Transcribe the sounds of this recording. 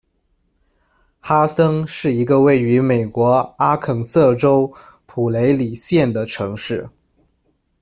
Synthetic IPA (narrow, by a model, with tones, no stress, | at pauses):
xa˥sɤ˥ŋʂɻ̩˥˩i˧˥ɡə˧we˥˩ɪy˧˥me˨˩ɪkwɔ˧˥a˥kʰɤ˨˩ŋsɤ˥˩ʈ͡ʂo˥ʊ | pʰu˨˩le˧˥ɪli˨˩ɕjɛ˥˩nd̪ə˩ʈ͡ʂʰɤ˧˥ŋʂɻ̩˥˩